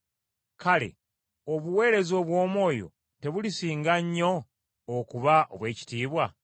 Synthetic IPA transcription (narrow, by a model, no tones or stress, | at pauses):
kale̞̰ | oβuwe̞ːɾe̞zo̞ːβwo̞ːmo̞ːjo̞̰ | te̞βulisiːŋɡaɲːo̞ː | kuβaʔo̰βwe̞ːci̥tiːβwa